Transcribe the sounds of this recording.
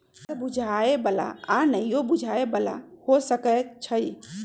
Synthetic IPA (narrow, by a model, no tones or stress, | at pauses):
səbud͡ʒʱaebəla̰anəjjobud͡ʒʱaebəla̰hosəkət͡ʃʰəj